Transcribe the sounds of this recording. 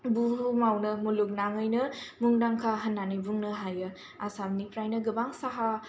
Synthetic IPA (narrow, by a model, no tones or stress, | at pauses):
buɦumawnɯmuluk̚naŋɯjnɯmuŋdaŋkʰaɦɐnːanɯjbuŋnɯɦajɯ | asamnipɾajnɯɡɯbaŋsaɦa